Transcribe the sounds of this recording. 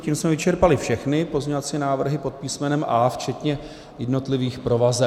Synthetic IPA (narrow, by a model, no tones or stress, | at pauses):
ciːmsmɛvɪt͡ʃɛɾpalɪfʃɛxnɪpo̞zɲɛvat͡siːnaːvr̩ɦɪpo̞t̪̚piːsmɛnɛmʔaːft͡ʃɛt̪ɲɛ | jɛdno̞t̪lɪviːxpɾo̞vazɛ